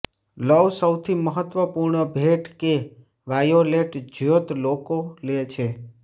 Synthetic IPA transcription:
ləʋsəwt̪ʰiməɦət̪ʋəpuɾɳəbʱeʈke | ʋajoleʈd͡ʒjot̪lokolet͡ʃʰe

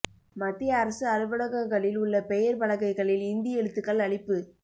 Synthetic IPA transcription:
mɐt̪ːɪjɐːɾɐsɯɐɾɯʋɐɽɐɣɐŋɡɐɭɪlʊɭːɐpɛjɐɾpɐɭɐɣɐɪɣɐɭɪlɪnd̪ɪjɛɻɯt̪ːɯkːɐɭɐɭɪpːɯ

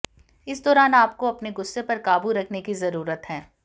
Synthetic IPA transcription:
ɪsd̪ɔːɾaːnaːp̚koɐpneɡʊsːepɐɾkaːbuɾɐkʰnekizɐɾuːɾət̪ɦɛ̃ː

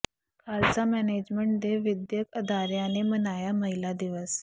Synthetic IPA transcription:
kalt͡samɛned͡ʑmeɳʈ̚d̪eʋid̪jəkəd̪aɾjanemənajaməɦilad̪iʋəs

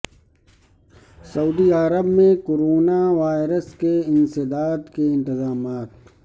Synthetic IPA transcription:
sɐuːd̪iaːɾəbmẽkoɾoːnaʋaːjɾəskeɪ̃nsɪd̪aːt̪keɪ̃nt̪ɪzaːmaːt̪̚

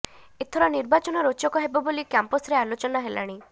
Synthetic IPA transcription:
et̪ʰɔɾɔniɾbat͡ʃɔnɔɾot͡ʃɔkɔɦebɔbolikjampɔsɾealot͡ʃɔnaɦela̰ɽ̃i

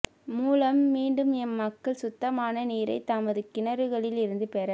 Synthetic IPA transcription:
muːlɐmːiːɳɖɯmɛnmɐkːɐɭsʊt̪ːɐmaːnɐniːɾɐ̰ɪt̪ːɐmɐðɯkɪnɐɾɯɣɐɭɪlɪɾɯnd̪ɯpɛɾɐ

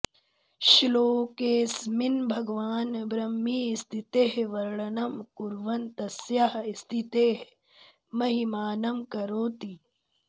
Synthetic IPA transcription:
ʃiloːkeːsminbʱɐɡʋaːnbɾɐmːiːst̪ʰit̪eːɦʋɐɾɭɐnɐmkuɾʋɐnt̪ɐsjaɦist̪ʰit̪eːɦ | mɐɦimaːnɐmkɐɾoːt̪i

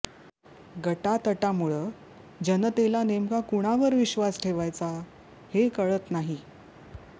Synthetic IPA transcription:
ɡəʈat̪əʈamuɭəː | d͡ʑənət̪elanemkakuɽ̃aʋəɾʋiɕʋasʈʰeʋajt͡sa | hekəɭət̪naɦi

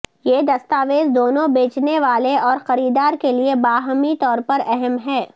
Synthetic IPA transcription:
jeːd̪ɐst̪aːʋeːzd̪oːnõbeːt͡ʃneʋaːleɔːɾxɐɾiːd̪aːɾkeliebaːɦəmit̪ɔːɾpɐɾɛɦɛmɦɛː

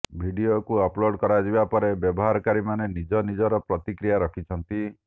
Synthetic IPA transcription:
bʱiɖiokuɔploɖkɔɾad͡ʒibapɔɾebjɔbɔɦaɾɔkaɾimanenid͡ʒɔnid͡ʒɔɾɔpɾɔt̪ikɾijaɾɔkʰit͡ʃʰɔnt̪i

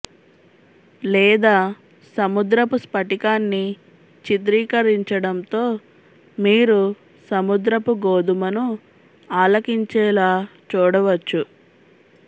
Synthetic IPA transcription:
lɛːd̪aː | sɐmud̪ɾɐpuspɐʈikaːnːi | t͡ʃit̪̬ɾiːkɐɾiɲt͡ʃɐɽɐnt̪o̞ː | miːɾu | sɐmud̪ɾɐpuɡoːd̪umɐnu | aːlɐkiɲt͡ʃɛːlaːt͡ʃuːɽɐʋɐt͡ʃːu

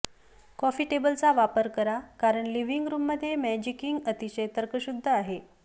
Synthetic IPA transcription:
kɔfiːʈebəlt͡saʋapəɾkəɾakaɾəɳliʋiŋɡɾuːmːəd̪ʱːjemɛd͡ʑikiŋɡət̪iɕəjt̪əɾkəɕud̪ʱːəaɦe

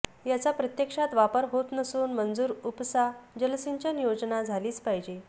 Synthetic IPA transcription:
jat͡sapɾət̪jəkʂat̪ʋapəɾɦot̪nəsuːnmənd͡zuːɾupsaɦd͡ʑəlsiɲt͡ɕənjod͡znad͡zʱaliːt͡spaɦid͡ʑe

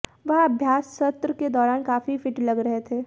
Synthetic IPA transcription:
ʋɐɦɐbʱjaːsːɐt̪ɾəked̪ɔːɾaːnkaːfifʰɪʈlɐɡɾɐɦet̪ʰeː

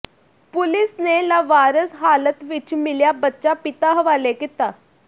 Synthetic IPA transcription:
pʊlɪsnelaʋaːɾəsɦaːlət̪ʋɪt͡ʃmɪljaːbətːʃaːpɪt̪aːɦəʋaːlekit̪aː

